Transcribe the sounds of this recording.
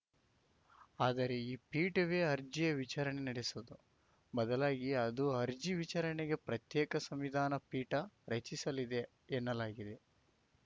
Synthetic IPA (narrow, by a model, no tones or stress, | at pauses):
aːd̪ɐɾe̞iːpiːʈɐʋe̞ːɐɾd͡ʒijɐʋit͡ʃaːɾɐɳenɐɽesud̪u | bɐd̪ɐlaːɡiɐd̪uɐɾd͡ʒiʋit͡ʃaːɾɐɳeɡe̞pɾɐt̪jɛːkɐsɐmʋid̪ʱaːnɐpiːʈɐɾɐt͡ʃisɐlid̪e̞ː | nːɐlaːɡid̪e̞